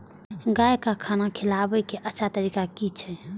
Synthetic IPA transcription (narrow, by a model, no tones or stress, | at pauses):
ɡajkakʰanakʰilabɛkeʔətːʃʰat̪əɾikakit͡ʃʰɛ